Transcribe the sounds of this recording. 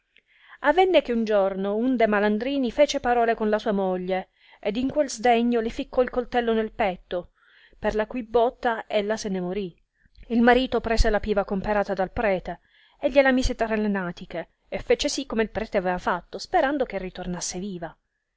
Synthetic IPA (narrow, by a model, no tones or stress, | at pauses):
avːɛnːek̟eund͡ʒornound̪emaland̪ɾiːnifɛːt͡ʃepaɾɔːlekonlasuːamoʎːe | ed̪iŋkwelzd̪ɛɲːolifikːɔilkolt̪ɛlːonelpɛt̪ːo | perlakujbɔt̪ːaelːasenemoɾi | ilmaɾiːt̪opɾɛːselapiːvakompeɾaːt̪ad̪alpɾɛːt̪e | eʎːelamiːset̪aɾelenaːt̪ikeː | fːɛːt͡ʃesikːomeilpɾɛːt̪eavɛːvafat̪ːospeɾand̪ok̟erːit̪ornasːeviːva